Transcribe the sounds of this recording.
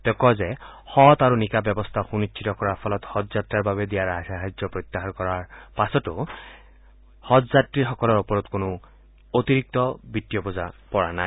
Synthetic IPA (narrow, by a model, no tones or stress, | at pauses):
t̪ɛkɔzɛhɔt̪aɹunikabjɔbɔst̪ʰaxunitt͡ʃʰitɔkɔɹapʰɔlɔt̪hɔt̪zatɹaɹbaβɛd̪ijaɹasaɦajd͡ʒɔpɹɔt̪ːaɦankɔɹaɹpasɔtʊ | hɔtzatɹixɔkɔlɔɹɔpɔɹɔt̪konʊ | ot̪iɹik̚t̪ɔbit̪ːijɔpɔzapɔɹanaj